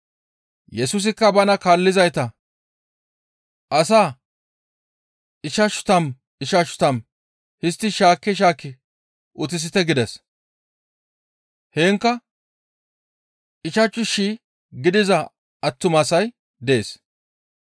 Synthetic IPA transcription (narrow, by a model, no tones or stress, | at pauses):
jɛsʊs̬ɪkːɐbɐnɐkaːlːɪzɐjt̪ɐ | ʔɐs̬aː | ɪʃɐʃʊ̥t̪ɐm | ɪʃɐʃʊ̥t̪ɐm | hɪst̪ːɪʃaːkːɪʃ̬aːkːɪ | ʔʊt̪̬ɪs̬ɪt̪ɛɡɪd̪ɛs | heːŋkːɐ | ɪʃɐt͡ʃʼːʊʃi | ɡɪd̪ɪzɐ | ɐtːʊmɐsɐj | d̪e̞ːs